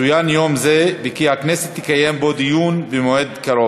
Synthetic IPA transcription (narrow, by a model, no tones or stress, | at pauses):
ujanjomzebekihakneset̪ːi̥kajembod̪ijunbemoed̪kaɾo